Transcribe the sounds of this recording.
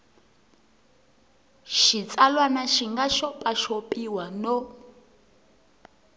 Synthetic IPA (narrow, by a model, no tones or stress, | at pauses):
ʃit͡sʼalwanaʃiŋɡaʃɔpʼaʃopʼiwanɔ